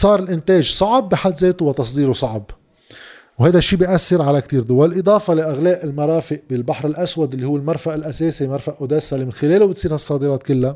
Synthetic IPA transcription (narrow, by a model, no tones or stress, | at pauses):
sˤɑːɾˤɪlʔɪnt̪eːʒsˤɑʕbːɪħalːzeːt̪uwɪt̪ɑs̬ˤd̪iːɾusˤɑʕb | whajd̪aʃːiːbiʔasːɪɾʕalakt̪iːɾd̪ʊwallʔɨd̪ˤɑːfɑlaʔɪɣleːʔɪlmɑɾˤɑːfɪʔbɪlbaħɾɪlʔaswad̪ʔɪlːihuwːɪlmɑɾˤfaʔɪlʔaseːsimɑɾˤfaʔʔʊd̪eːsːalmɪnxɪleːlubɪt̪sˤiːɾhaɑsˤːɑːd̪ɪɾɑːt̪̚kɪlːa